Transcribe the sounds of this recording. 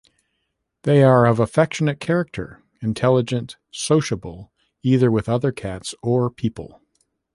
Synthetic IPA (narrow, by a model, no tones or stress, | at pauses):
ðeɪə˞ʌvəfɛkʃɨnɨt̚kʰɛɹɨk̚tʰə̰˞ | ɨ̃ntʰɛlˠəd͡ʒɨ̃nt | soʊʃəbl̩ˠ | iðə˞wɨðʌðə˞kʰætsə˞pʰipl̩ˠ